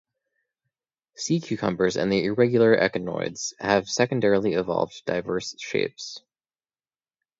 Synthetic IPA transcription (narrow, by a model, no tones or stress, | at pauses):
sikʰj̥ʉkʰʌ̰̃mbə˞zɨ̰̃nðiɪɹɛɡjl̩ˠə˞ʔɛ̰kɨnɔ̰ɪdz̥hɨv̥sɛkɨ̃n̩dɛɹlˠiɨvɑ̰lˠvdd̥aɪvɜ˞sʃḛɪps